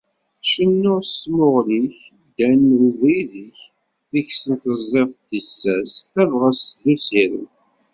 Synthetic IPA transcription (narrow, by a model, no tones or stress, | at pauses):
ʃənːʊɾsmʊʁliç | d̪ænuðiðiç | θiçsənt̪əzˤːeθθisːæsθævʁəstðusiɾḭ